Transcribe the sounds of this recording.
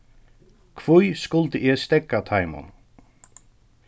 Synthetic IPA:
kʰv̥ujskʊlt̪ɪʔɛst̪ɛkːat̪ʰajmʊ̰n

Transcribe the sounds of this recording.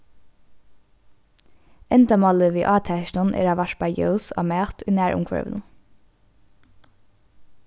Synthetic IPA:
ɛnd̪ɑmɑləʋiːʔɑːt̪ʰæʃnɑnʔḛːɾɑːʋɑʃbɑɪjœ̰ʊsɑ̰ːmæːt̪yːnæːɹʔʊ̰ŋkʰɹœ̰ʋn̩

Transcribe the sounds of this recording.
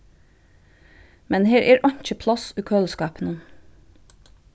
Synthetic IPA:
mɛnheːɾʔeːɾʔɑɲc͡çəpʰlɑsʉːkʰøːlskɑːpənə

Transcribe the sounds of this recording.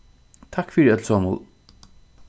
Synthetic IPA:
t̪ʰakːfiɾɛt̪lsɔːmʊ̰lˠ

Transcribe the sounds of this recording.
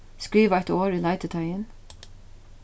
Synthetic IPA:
skɹiːʋəæt̪oːɾiːlɑɪt̪ət̪ʰæɪən

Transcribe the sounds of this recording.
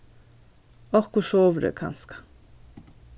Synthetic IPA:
ɔhkʊʃoːʋɾə̰kʰɑ̰nskɑ̥

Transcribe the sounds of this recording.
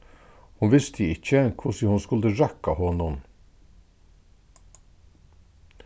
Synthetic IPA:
hʊnʋɪst̪ʰəɪc͡çəŋkʰʊsɪhʊnskʉld̪əɾækɑhɔnʊm

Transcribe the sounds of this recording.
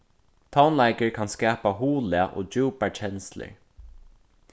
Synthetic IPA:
t̪ʰaʊnlaɪkəɹkʰanskæːpaɦuːlɪaʔo̰ːd͡ʒuːpat͡ʃʰɛnslə̰ɹ

